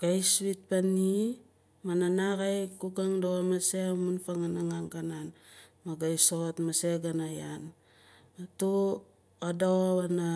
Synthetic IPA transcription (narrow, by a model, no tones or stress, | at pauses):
ɡ̥ajswit̚pani | mananakajkuɡaŋdoamasemunfaŋanaŋaŋkananmaɡajsotmaseɡanajan | atu | adoβana